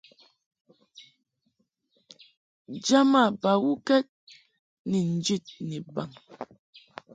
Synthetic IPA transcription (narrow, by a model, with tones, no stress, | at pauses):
d͡ʒa˦ma˦˨ba˨wu˦kɛ˦t̚ | ni˨n̩˦d͡ʒi˦˨t̚ni˨ba˨ŋ